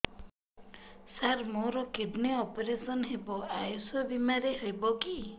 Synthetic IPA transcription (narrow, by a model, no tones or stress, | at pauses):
saɾmoɾɔkiɖneɔpɔɾesɔnɦebɔajosɔbimaɾeɦojbɔki